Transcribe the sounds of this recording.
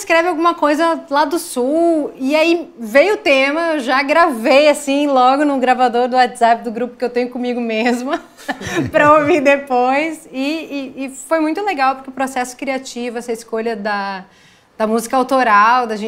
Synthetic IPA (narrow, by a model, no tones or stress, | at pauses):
skɾɛvɪawɡũmɐkojzɐlad̪ʊsuwɪaivejʊt̪ẽmɐewʒaɡɾavejasĩlɔɡʊnʊɡɾavad̪oɾd̪ʊat̪z̥apɪd̪ʊɡɾupʊkɪewt̪ẽɲ̃jʊkõmiɡʊmezmʊ | pɾɐovid̪epojsɪɪːfojmũj̃t̪ʊleɡawpʊɾkʲeʊpɾosɛsʊ̥kɾiat͡ʃivʊɛsɐɪskoʎɐd̪ɐ | d̪̥ɐmuzikɐawt̪oɾawd̪ɐʒẽ